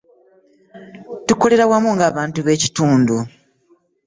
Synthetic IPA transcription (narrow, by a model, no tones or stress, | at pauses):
tuko̞le̞ɾawamuŋɡaːβaːntuβe̞ːci̥tuːndu